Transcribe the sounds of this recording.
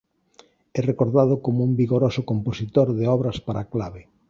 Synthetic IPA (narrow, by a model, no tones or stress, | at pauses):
ɛrekoɾðað̞ʊkomʊumbiɣoɾosʊkomposit̪oɾðeɔβɾɐspaɾʔaklaβɪ